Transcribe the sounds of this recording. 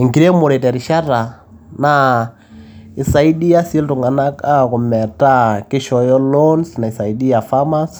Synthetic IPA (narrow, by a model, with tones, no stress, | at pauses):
i˨ŋki˨ɾɛ˦mu˨ɾɛ˨tɛ˨ɾi˨ʃa˦ɾa˨ | na | i˨sa˨i˦di˦ja˦si˦ltu˨ŋɡa˨na˦ka˦ku˨mɛ˨ta˦ki˦ʃɔ˨jɔ˦lɔ˦nsna˨i˨sa˨i˨˦di˦ja˨fa˦ma˦s